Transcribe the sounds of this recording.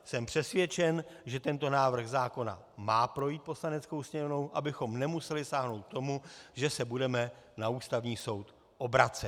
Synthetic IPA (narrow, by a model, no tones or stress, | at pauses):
sɛmpr̥ɛsvjɛt͡ʃɛnʒɛt̪ɛnt̪o̞naːvr̩ɣzaːko̞na̰ | maːpɾo̞jiːt̪̚po̞slanɛt͡sko̞wsɲɛovno̞wʔabɪxo̞mnɛmusɛlɪsaːɦno̞wt̪̚t̪o̞muʒɛsɛbudɛmɛnauːst̪avɲiːso̞wt̪ | ʔo̞bɾat͡sɛt̪